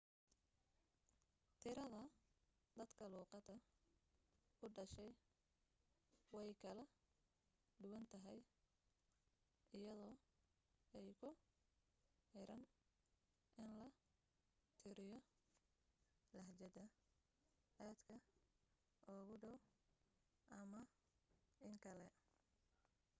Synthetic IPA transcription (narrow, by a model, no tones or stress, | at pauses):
t̪ʰɪɾɐðɐ | d̪ɐd̪kʰɐluːqɑd̪ɐ | ʊɖɐʃɛj | wɛjkʰɐlɐ | ɖ̪ʊwɐnt̪ʰɐɦɛj | ʔɪjɐðɔː | ɛjkʰʊ | ɪɾɐn | ʔɪnlɐ | t̪ʰɪɾɪjɔ | lɐht͡ʃɐdɐ | ʔaːd̪kʰɐ | ʔɔːɣʊɖɔw | ʔɐmɐ | ɪŋkʰɐlɛ